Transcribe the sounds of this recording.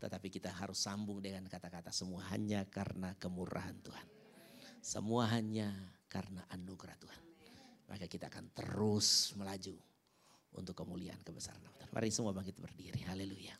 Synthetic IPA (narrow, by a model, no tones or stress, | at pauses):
t̪ət̪apikit̪aɦaɾʊsːambʊŋdəŋankat̪akat̪asəmuaɦa̰ɲakarnakəmuɾʔa̰ɦant̪uhan | sə̰muaɦaɲakarnaʔanuɡɾaht̪uhanmʔa̰kakit̪aːkant̪ə̰ɾʊsməlad͡ʒu | ʔṵnt̪ʊkːəmulia̰ʔankəbəsa̰ɾanamat̪anmʔa̰ɾiŋsəmuabaŋkit̪̚bərdiɾiɦaleluja